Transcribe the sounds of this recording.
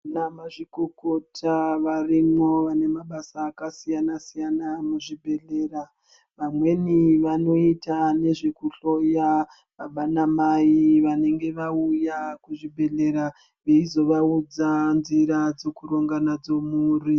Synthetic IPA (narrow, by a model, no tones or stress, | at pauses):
namaʐikoko̞tʰaʋarimwo̞ʋane̞maɓasaːkasijanasijanamuʐibʱe̞ɮe̞ːra | ʋamwe̞niʋano̞itane̞ʐe̞kuɬo̞ja | ʋaɓanamaiʋane̞ŋɡe̞ʋaujakuʐibʱe̞ɮe̞ɾa | ʋe̞izo̞ʋaud͡zanziɾad͡zo̞kuɾo̞ŋɡanad͡zo̞muːri